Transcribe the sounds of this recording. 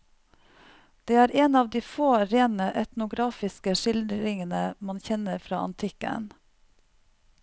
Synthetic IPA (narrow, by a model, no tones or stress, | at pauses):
d̪̥eːæːɾeːnɑːʋd̪iːfoːɾeːnəʔɛt̪nʊɡɾɑːfɪskəʃɪlɾɪŋənəmɑnçɛnəɾfɾɑ̰ːɑ̰nt̪ʰɪkə̰n